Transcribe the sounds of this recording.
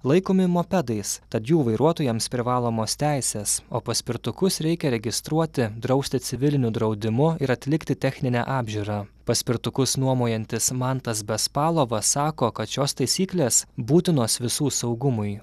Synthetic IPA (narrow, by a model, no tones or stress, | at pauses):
lˠɐɪkoːmʲɪmoːpʲɛd̪ɐɪst̪ɐt̪juːʋɐɪɾuɔt̪oːjɛmspʲɾʲɪʋɑːlˠoːmoːst̪ʲæˑɪsʲeːsoːpɐsʲpʲɪɾt̪ʊkʊsɾʲɛɪkʲɛɾʲɛɡʲɪst̪ɾuɔt̪ʲɪd̪ɾɐʊsʲt̪ʲɪsʲɪʋʲɪlʲɪnʲʊd̪ɾɐʊd̪ʲɪmʊɪɾɐt̪ʲlʲɪkt̪ʲɪt̪ʲɛxʲnʲɪnʲæ̰ʔɑːbʲʒʲuːɾɑpɐsʲpʲɪɾt̪ʊkʊsnuɔmoːjɛnʲt̪ʲɪsmɑnt̪ɐsbʲɛspɑːlˠoːʋɐsɑːkoːkɐt̪ʃʲoːst̪ɐɪsʲiːklʲeːsbuːt̪ʲɪnoːsʋʲɪsuːsɒʊɡʊmʊjɪ